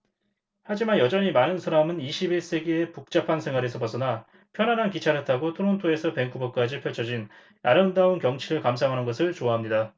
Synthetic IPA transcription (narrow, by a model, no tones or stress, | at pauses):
had͡ʑimanjʌd͡ʑʌɲimanɯnsʰaɾamɯniɕʰibiɭs͈e̞ɡeepuk̚t͡ɕ͈apʰansʰe̞ŋwaɾe̞sʰʌpʌs͈ʰʌna | pʰjʌnɦanɦankit͡ɕʰaɾɯtʰaɡotʰoɾontʰoe̞sʰʌpe̞ŋk͈ʰubʌk͈ad͡ʑipʰjʌɭt͡ɕʰʌd͡ʑin | aɾɯndaunkjʌŋt͡ɕʰiɾɯɭkams̬ʰaŋɦanɯnɡʌsʰɯɭt͡ɕoaɦamɲida